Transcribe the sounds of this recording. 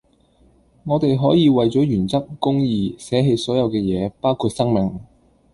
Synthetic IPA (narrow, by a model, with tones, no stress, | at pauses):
ŋɔː˨˧t̪e˨jɦɔː˨˥jiː˨˧wɐ˨jt͡sɔː˨˥jyː˨˩nt͡sɐ˥k̚kʊ˥ŋjiː˨˧sɛː˨˥ɦe˧jsɔː˨˥jɐ˨˧wkɛː˧jɛː˨˧paː˥wkʰuː˧t̚sɐ˥ŋmɪ˨ŋ